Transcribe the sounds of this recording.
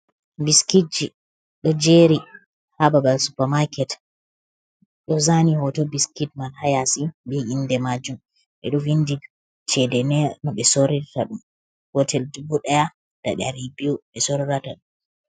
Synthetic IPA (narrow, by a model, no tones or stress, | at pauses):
biskid͡ʒi | ɗɔd͡ʒeɾi | hababalsupaɾmakɛt | ɗɔzanihɔtɔbiskitmanhajasibiindɛmad͡ʒum | ɓɛ̰ɗɔvindid | t͡ʃɛdɛnɛnɔɓɛsoɾiɾtaɗum | hɔtʰɛldibuɗaja | d̥a̰ɗɛaɾibiuɓɛsɔɾiɾataɗum